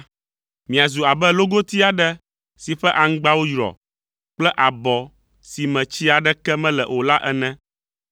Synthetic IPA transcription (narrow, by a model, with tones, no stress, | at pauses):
mĩ˨a˨zu˨a˨bɛ˦lo˦ɡo˦t̪i˦a˨ɖɛ˦ | si˨ɸɛ˦ʔa˨ŋ̩˦ɡ͡ba˦wo˦jɾɔ̰˨ | k͡plɛ˦ʔa˨bɔ˨ | si˨mɛ̃˨t͡ɕi˦a˨ɖɛ˦kɛ˦mɛ̃˦lɛ˨ʔo˨la˦ʔɛ˦nɛ̃˦